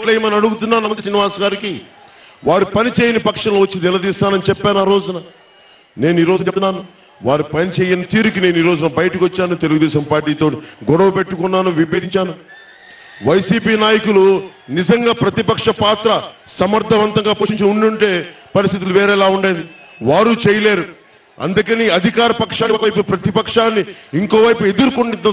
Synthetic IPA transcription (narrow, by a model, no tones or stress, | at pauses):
ʈlejɐmɐnɐɽuɡut̪unːaːnɐɐisiniʋaːsɡaːɾiki | ʋaːɾupɐnit͡ʃeːjinipɐkʂɐnloʋɐt͡ʃːinnilɐd̪iːst̪aːnɐnit͡ʃɛpːaːnuaːɾo̞ːd͡ʒunɐ | ne̞ːnuiːɾoːd͡ʒt̪unːaːnu | ʋaːɾupɐnit͡ʃeːjinɐt̪iːɾuk̬ine̞ːnuiːɾo̞ːd͡ʒunɐbɐjɐʈɐkʋot͡ʃːaːnut̪eluɡud̪ɛːʃɐmpaːɾʈiːt̪o̞ːʈiɡɔɽɐʋɐpe̞ʈːukunːaːnuʋibeːd̪iɲt͡ʃaːnu | ʋɐjsiːpiːnaːjɐkulunid͡ʒɐŋɡaːpɾɐt̪ipɐkʂɐpaːt̪ɾɐsɐmɐɾd̪ʱːɐʋɐnt̪ɐŋɡaːpoːʃiɲt͡ʃinɐuɳɖuɳʈe̞ːpɐɾist̪it̪̬uluʋeːɾeːlaːuɳɖaːjni | ʋaːɾut͡ʃɛːjɐleːɾu | ɐ̰nd̪ukɐniɐd̪ʱikaːɾɐpɐkʂaːnɐjp̬upɾɐt̪ipɐkʂaːnːiiŋko̞ːʋɐjpue̞d̪uɾukuɳɖiɐ